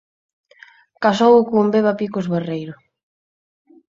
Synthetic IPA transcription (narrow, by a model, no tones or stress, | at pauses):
kasowʊkʊmbeβapikʊzβerejɾʊ